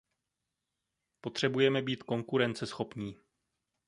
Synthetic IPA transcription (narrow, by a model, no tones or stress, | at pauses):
po̞t̪r̝̥ɛbujɛmɛbiːt̪ko̞ŋkuɾɛnt͡sɛsxo̞pɲiː